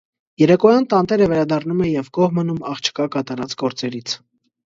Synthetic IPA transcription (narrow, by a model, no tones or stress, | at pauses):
jɛɾɛkɔjɑnt̪ɑnt̪ɛɾəvɛɾɑd̪ɑrnumɛjɛvkɔʁmənumɑχt͡ʃʰə̥kɑkɑt̪ɑɾɑt͡sɡɔɾt͡sɛɾit͡sʰ